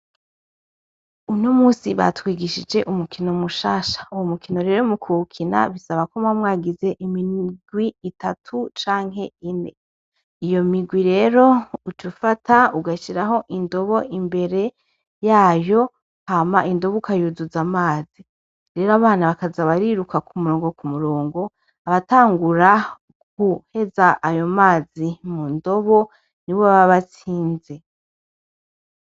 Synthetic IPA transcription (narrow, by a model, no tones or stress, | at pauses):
unomuːsiβa̰twiːɡiʃid͡ʒe̞ʔumukʰinomuʃaːʃḁuwomukino̞ɾe̞ːɾo̞mukʰukʰina̰βisaβakomwamŋaːɡize̞ʔimiɡ̥wiːtatʰut͡ʃaːŋɦe̞ine | ijo̞miɡwiɾe̞ːɾo̞ut͡ʃufatʰauɡaʃiɾaɦo̞ʔindo̞βo̞ʔimbe̞ɾe̞ | jaːjo̞ | hamaʔindo̞βukajuzuzamaːzi | ɾe̞ɾoaβaːnaβakazaβaɾiɾukakʰumuɾoːŋɡo̞kumuɾoːŋɡo̞ | aβataːŋɡuɾa | kuhe̞zaʔːjo̞maːzimundo̞βo̞ | niwoββaβat͡siːnze̞